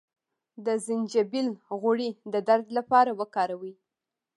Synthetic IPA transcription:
d̪əzɪnd͡ʒabilɣʊɽid̪əd̪aɾd̪lapɑɾawəkɑɾawi

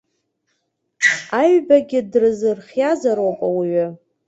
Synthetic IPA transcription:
aɥbaɡʲɪdrɨzɨrχʲjazaɾopʼawiɥʏ

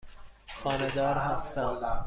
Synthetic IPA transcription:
xɒːned̪ɒːɾɦæst̪æm

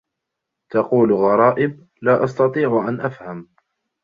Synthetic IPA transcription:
t̪ɑquːlɣɑɾˤɑːʔɪb̚ | laːʔɑst̪ɑt̪ˤiːʕʔanʔafham

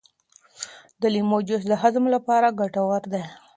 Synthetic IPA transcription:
d̪əlimod͡ʒʊsd̪əɦazmlapɑɾaɡaʈawaɾd̪e

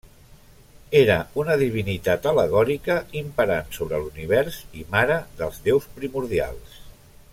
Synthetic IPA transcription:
eɾəunəðiβ̞init̪at̪ələɣ̞ɔɾikəimpəɾansoβɾəluniβ̞ɛɾsimaɾəðəlˠzðewspɾimuɾðia̰lˠs

